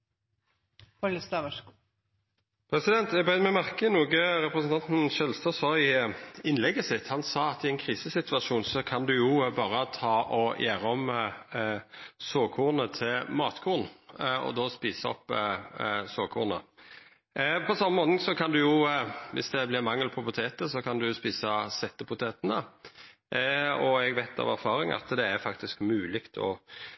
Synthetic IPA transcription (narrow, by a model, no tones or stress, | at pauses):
ɔləst̪ːʋ | pʰɾɛsɪd̪ɛnt̪ɛɡbʁœɪnəmɛmæʁkənuːɡəʁɛpɾəsn̩t̪ɑnt̪n̩ʃɛlst̪əsɔɪɪnlɛɡːəsɪt̪ːhɑnsɑːɑt̪ɪɛɪnkʰʁiːsəsɪt̪ʉɑʂuːnsɔkʰɑnd̪ʉjʊbɑːʁət̪ʰɑːʔɔjʔæːʁɔm | soːkʰuːʁnət̪ʰɪlmɑːt̪kʰuːʁnɔ̰d̪oːspiːsəɔ̰pː | soːkʰuːʁnə̰ | pʰɔsɑmːəmoːt̪ɪŋsɔkʰɑnd̪ʉjʊʋɪ̰sd̪ɛblɪʁmɑŋːəlpʰɔpʊt̪ʰeːt̪əsɔkʰɑnd̪ʉspiːsɑsɛt̪ːəpʊt̪ʰeːt̪ənə | ɔɛɡʋɛɪt̪ʰɑ̰ʋæɾfɑːɾɪŋɑ̰t̪d̪ɛæɾfɑkt̪ɪskmʉːlɪkt̪ʰɔ̰